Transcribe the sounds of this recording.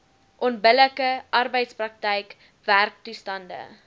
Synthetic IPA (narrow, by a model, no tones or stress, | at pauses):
ʔɔnbələkəʔɐrbəjtsprɐk̚təjk | værk̚tustɐndə̰